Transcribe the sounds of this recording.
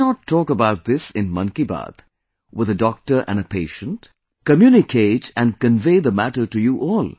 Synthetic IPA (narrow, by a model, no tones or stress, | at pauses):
nətʰːɔkəbaʊt̚ðɪsɪ̃nmʌ̃nkibɑ̰d̪ | wɪðədɔk̚ʈə˞ʔæ̰̃nəpʰeɪʃə̃nt | kəmjunɪkʰeɪtæ̃nkə̃nveɪðəmæʈə˞ʈujuʔɔl